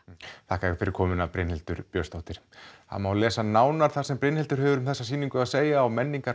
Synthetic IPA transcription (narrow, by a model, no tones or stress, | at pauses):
θahkaɛfɪɾɪɾ̥kʰɔːmʏnapɾɪjnhɛlt̪ʏɾpjœ̥st̪owht̪ɪɾ̥ha̰nmawlɛːsanaːwnaɾ̥θaɾ̥sɛmpɾɪnhɛlt̪ʏɾ̥ɦɛːvʏɾʏmθɛsːasiːniŋkʏaðseːjaawmɛnːiŋkaɾ